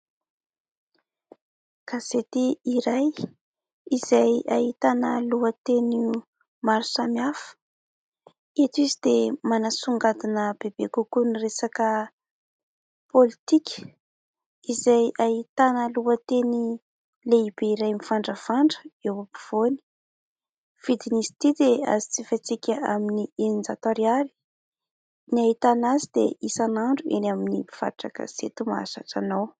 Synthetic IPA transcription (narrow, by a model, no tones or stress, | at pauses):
kazet̪iiɾaj | izajait̪anəluət̪eni | maɾusamiafə̥ | et̪izid̪emanasuŋɡad̪inəb̥eb̥ekukuniresakə | polit̪ikʲə̥ | izajʔaɦit̪anəluət̪eni | leib̥eiɾajmifaɳɖ͡ʐəfaɳɖ͡ʐə̥ewabi̥v̥oni̥ | v̥id̪inizi̥t̪id̪ea̰zit͡sifat͡sikʲəaminiend͡zat̪oɾiali̥ | niaɦit̪anazid̪ḛʔisanaɳɖ͡ʐuḛnaminiiv̥a̰ʈ͡ʂakə̰z̥ḛt̪uma̰sa̰ʈ͡ʂanaw